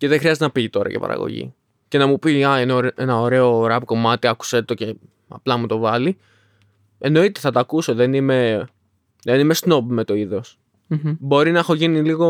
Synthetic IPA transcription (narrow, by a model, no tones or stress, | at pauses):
ce̞ðexɾiɐzt̪enɐpit̪o̞ɾɐ̰cepɐ̰ɾʔɐ̰ɣo̰ʝḭ | ce̞nɐmupiɐeneenɐoɾe̞o̞ɾɐpko̞mɐt̪iɐku̥set̪o̞ce̞ | ɐ̰plɐmut̪o̞vɐli | eno̞it̪eθɐt̪ɐɐkuso̞ðenime̞ | ðenime̞sno̞p̚me̞t̪o̞iðo̞s | bo̞ɾinɐexo̞ʝiniliɣo̞